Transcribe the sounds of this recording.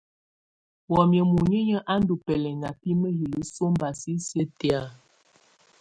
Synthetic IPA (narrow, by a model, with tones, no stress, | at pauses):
wɔ˨mjə˨mu˨ɲə˦ɲə˦ʔa˦n˦du˨pɛ˨lɛ˨ŋa˨pi˦mə˦ɦi˨lə˨so˦m˦ba˨si˦sjə˦ti˨a˦˨